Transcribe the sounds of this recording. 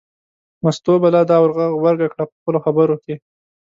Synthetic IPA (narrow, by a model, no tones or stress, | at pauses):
mast̪obalɑd̪ɑwaɾɣaɣwaɾɡakɽapəxpəloxabəɾoke